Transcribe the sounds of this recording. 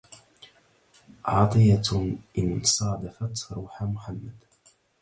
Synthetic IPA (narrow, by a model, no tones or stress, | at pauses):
ʕɑːt̪ˤɨjaʔɪnsˤɑːd̪ɑfat̪ɾˤuːħamʊħamːad̪